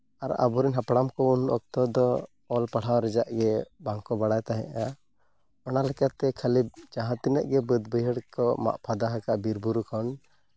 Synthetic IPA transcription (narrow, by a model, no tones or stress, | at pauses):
aɾa̰bɔɾinɦapɽamkɔunɔk̚t̪ɔd̪ɔ | ɔlpaɽ̤awɾɛd͡ʒaʔɡɛbaŋkɔbaɽajt̪aɦɛ̰̃ʔa | ɔnalɛkat̪ɛkʰalib̚d͡ʒaɦãt̪inəʔɡɛbəd̪bəɦiɽkɔma̰ʔpʰad̪aɦakaʔbiɾbuɾukʰɔn